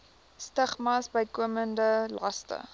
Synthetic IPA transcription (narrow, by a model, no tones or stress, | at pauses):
stəχmɑsbəjkuəməndəlɐstə̰